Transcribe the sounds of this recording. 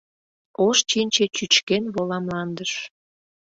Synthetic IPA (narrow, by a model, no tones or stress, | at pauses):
oʃt͡ɕinʲt͡ɕet͡ɕyt͡ɕkenβolɑmlɑnd̪əʃ